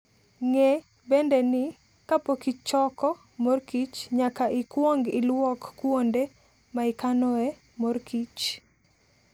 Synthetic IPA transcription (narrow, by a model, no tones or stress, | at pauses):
ŋe | bendenɪ | kapokit͡ʃt͡ʃɔkɔ | morkit͡ʃɲakaʔɪkwoŋɡɪlwɔkːwonde | maɪkanoe | morkʰit͡ʃ